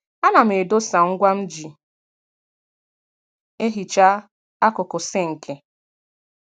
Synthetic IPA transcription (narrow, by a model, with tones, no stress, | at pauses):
a˦na˨m̩˨e˨do˦sa˨ŋ̩˦ɡʷa˦m̩˦d͡ʒi˨ | e˦ɦi˨t͡ʃa˦ | a˦kʊ˨kʊ˨se˦ŋ̩˨kʰe˨